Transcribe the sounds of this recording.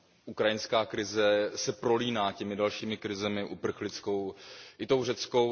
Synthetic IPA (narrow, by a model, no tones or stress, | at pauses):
ʔukɾajɪnskaːkɾɪzɛsɛpɾo̞liːnaːcɛmɪdalʃiːmɪkɾɪzɛmɪʔupr̩xlɪt͡sko̞wʔɪt̪owrɛt͡sko̞